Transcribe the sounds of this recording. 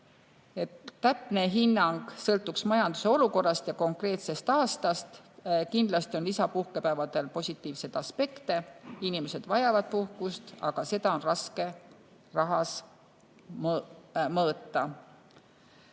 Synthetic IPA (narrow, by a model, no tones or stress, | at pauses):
e̞t̪ːæpne̞ɦinːɑŋɡ̥sɤlt̪ːˑuksmɑjɑnd̪̥use̞o̞luko̞rːɑst̪jɑko̞ŋkre̞ːt̪se̞st̪ɑːst̪ɑst̪kind̪lɑst̪io̞nlisɑpuhke̞pæːvɑd̪̥e̞lpo̞sʲit̪ːˑiːvse̞t̪ɑspe̞kt̪e̞inimese̞d̪̥vɑjɑvɑd̪̥̚puhkust̪ɑɡ̥ɑse̞d̪ɑo̞nrɑske̞ | rɑɦɑs | mmɤːt̪ːɑ